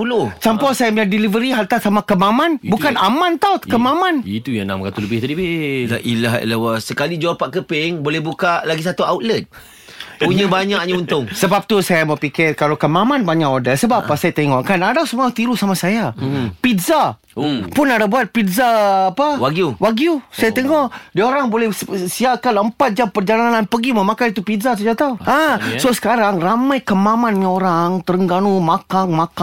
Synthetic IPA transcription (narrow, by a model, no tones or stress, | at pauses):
pulot͡ʃampɔsajaməadilivəɾiɦalt̪asamakəmamãnbukanamãnt̪awkəmamãnit̪ujãnamkat̪uləbɪht̪adibɪaʔilaɦḭlawasəkalid͡ʒuapaʔkəpɪŋbolɛhbukaʔlaɡis̬at̪uawt̪lɛt̪̚ | puɲə̃baɲak̚ɲaunt̪ʊŋsəbap̚t̪usajaməpikɪrkalakəmãmãnbaɲaʔodasəbapasajat̪eŋɔʔkanadasəmuat̪iɾusamasajapit̪za | pʊnadabuat̪̚pit̪zaːpaɡuwaɡjusajat̪eŋɔʔdiaoɾaŋbolɛssiakanəmpat̪̚d͡ʒampərd͡ʒalananpəɡiməmakanit̪upidzas̬əd͡ʒat̪auasosə̥kaɾaŋramajkəmamanɲə̃oɾaŋt̪əɾəŋɡanumakaŋmaka